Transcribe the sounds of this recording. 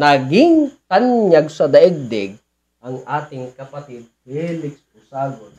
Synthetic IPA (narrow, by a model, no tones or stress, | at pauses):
nɐɡɪŋt̪anjɐɡsɐd̪ɐʔɛɡ̚d̪ɛɡ̚ | ʔɐŋʔaːt̪ɪŋkɐpɐt̪id̪̚fɛlɪkspʊsaːɡon